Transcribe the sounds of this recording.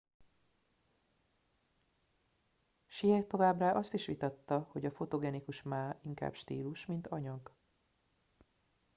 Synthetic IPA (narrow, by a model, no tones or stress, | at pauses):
ʃiɛt̪o̞vaːbraːʔɒst̪iʃʋit̪ɒt̪ːɒho̞ɟɒfo̞t̪o̞ɡɛnikuʃmaːiŋka̰ːbʃt̪ḭːluʃmint̪ɒɲɒɡ